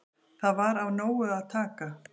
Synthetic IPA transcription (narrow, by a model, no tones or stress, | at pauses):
θaðvaɾawnoːwʏaðt̪ʰaːka